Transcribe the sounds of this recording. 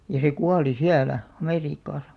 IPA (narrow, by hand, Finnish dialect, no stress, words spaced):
jɑ se kuɑli siælæ ɑmeriːkːɑˑsɑ̥